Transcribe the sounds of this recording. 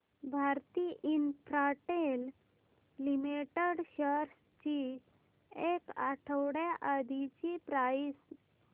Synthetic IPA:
bʱaɾt̪iʔinfɾaʈel | limiʈeɽɕəɾs | t͡ɕi | ekaʈʰəwɽjaʔad̪ʱit͡ɕipɾais

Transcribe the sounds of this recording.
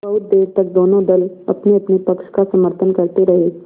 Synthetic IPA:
ɐʊt̪̚d̪eːɾt̪ək̚d̪oːnõd̪əlɐ̰pneɐpnipəkʃkasəməɾt̪ʰənkəɾt̪eɾɐɦe

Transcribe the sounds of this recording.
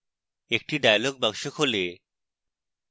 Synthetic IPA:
ek̚ʈiɖajalɔɡ̚baŋʃokʰole

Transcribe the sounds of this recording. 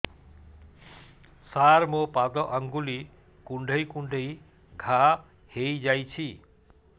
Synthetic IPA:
saɾmopad̪ɔʔaŋɡuli | kuɳɖʱəjkuɳɖʱəj | ɡʱa | hejd͡ʒajt͡ʃʰi

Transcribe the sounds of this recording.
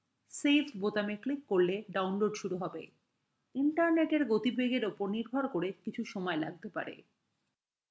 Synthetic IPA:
sefbot̪ameklikːoɾleɖawnloɖʃuɾuɦɔbḛ | iɳʈaɾneʈeɾɡot̪ibʱeɡeɾupoɾniɾbʱaɾkoɾekit͡ɕʰuʃɔmɔela̰ɡ̚t̪epa̰ɾḛ

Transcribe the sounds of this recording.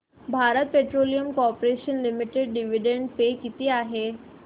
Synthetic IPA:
bʱaːɾət̪̚peʈɾolijəmkoɔːpɾeʃənlimiʈeɖɖiʋiɖẽɳɖpekit̪eaɦe

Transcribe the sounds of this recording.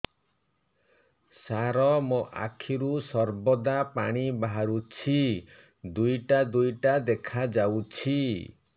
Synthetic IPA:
saɾɔmoʔa̰kʰiɾusɔɾbɔd̪apaɽ̃ibaɦaɾut͡ʃʰi | d̪ujʈad̪ujʈad̪ekʰad͡ʒawt͡ʃʰi

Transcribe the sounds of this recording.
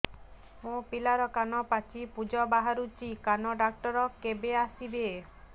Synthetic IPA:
mõpilaɾɔkanɔpat͡ʃipud͡ʒɔbaɦaɾut͡ʃikanɔɖak̚ʈɔɾɔkebeasib̪eː

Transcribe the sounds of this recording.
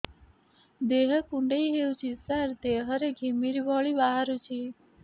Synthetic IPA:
d̪eɦʌkuɳɖejɦewt͡sʰisaɾd̪eɦʌɾeɡʱimiɾibʱʌɭibaɦaɾut͡sʰi

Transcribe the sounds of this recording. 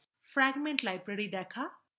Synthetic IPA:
fɾɛːɡmẽɳʈlaːjpɾɛɽid̪ɛːkʰaː

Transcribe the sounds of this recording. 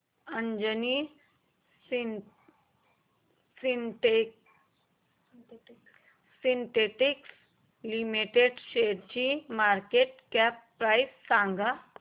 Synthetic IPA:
əɲd͡ʑəni | sinte | sint̪eʈiks | limiʈeɖɕeɾt͡ɕimaɾkeʈ̚kapːɾajsːãŋɡa

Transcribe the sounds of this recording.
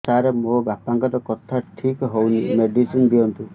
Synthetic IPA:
saɾemobjapaŋkɔɾɔkɔt̪ʰaʈʰikɦownimeɖisinb̪iɔnt̪u

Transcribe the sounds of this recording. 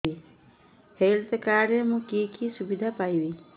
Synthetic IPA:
i | heːlt̪kaːɾjemũkiːkʰisubid̪ʱapaːiwi

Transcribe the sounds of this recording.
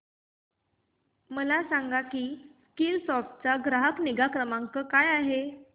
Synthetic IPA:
məlasaŋɡakiːskiːlsɔɾft͡saɡɾaɦəkniɡakɾəmaŋkəkajaɦe

